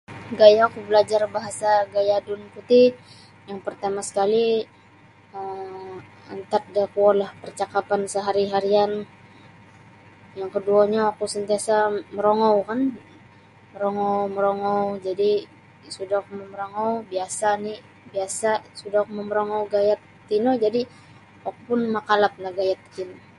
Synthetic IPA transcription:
ɡajakubəlad͡ʒarbaɦasaɡajadʊnkut̪i | jaŋpərt̪amasə̥kali | əm | ant̪at̪̚dakualahpərt͡ʃakapansəɦaɾiɦaɾian | jaŋkəduaɲaːkusənt̪iasaməɾoŋɔwkan | məɾoŋɔwməɾoŋɔwd͡ʒadi | sudahməmɾoŋɔwbiasani | biasasudakməməɾoŋɔwɡajat̪ːinod͡ʒadi | akupʊnmakalap̚lahɡajat̪ːino

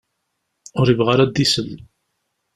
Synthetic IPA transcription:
ʊɾivʁaɾad̪ːisəlː

